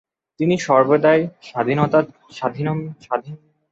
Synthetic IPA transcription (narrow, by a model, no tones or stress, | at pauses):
t̪iniʃɔɾbod̪aeʃad̪ʱinot̪a | ʃad̪ʱinoʃad̪ʱin